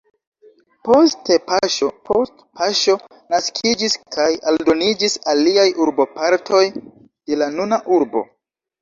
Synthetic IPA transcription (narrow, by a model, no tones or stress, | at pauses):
po̞stepaʃopostpaʃo̞ | naskʰid͡ʒiskʰajaldo̞nid͡ʒisaliajʔuɾbo̞paɾtʰo̞j | d̥e̞lanunaʔuɾbo̞̰